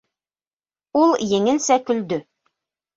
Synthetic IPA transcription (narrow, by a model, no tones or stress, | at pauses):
ulˠjɘ̆ŋɘ̆lsækɵ̆ld̪ɵ